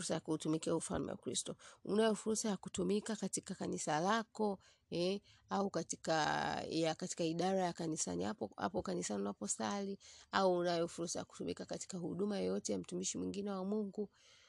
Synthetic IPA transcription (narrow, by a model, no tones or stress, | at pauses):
sajakuːtumikiaufa̰lmɛ̰wa̰kɾḭstɔunajɔfuɾsajakutumikakatikakanisalakɔ | ɛaukatikajakati̥kaiɗaɾajakanisa̰nihaha̰pɔkanisaniunapɔsaliauːnajɔfuɾsaja̰ku̥tumḭkakati̥kahuɗumajɔjɔtɛjam̩tumiʃimwiŋɡinɛwamuŋɡu